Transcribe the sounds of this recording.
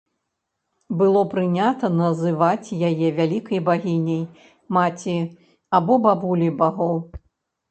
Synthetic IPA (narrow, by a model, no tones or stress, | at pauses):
bɨlˠɔpɾɨnʲat̪ɐnɐzɨvat͡sʲjajɛvʲalʲikɐjbaɣʲinʲɐj | mat͡sʲi | abɔbabulʲibaɣɔw